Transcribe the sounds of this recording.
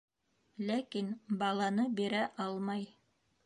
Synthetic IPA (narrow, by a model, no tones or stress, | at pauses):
lækinbɑlˠɑnɤbiɾæʔɑlˠmɑj